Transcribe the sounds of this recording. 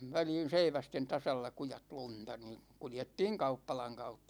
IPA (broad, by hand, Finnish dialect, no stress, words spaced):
ʋæliːn̞ seiʋæsten tɑsɑlːɑ kujɑt luntɑ ni kuljetːiːŋ kɑupːɑlɑŋ kɑutːɑ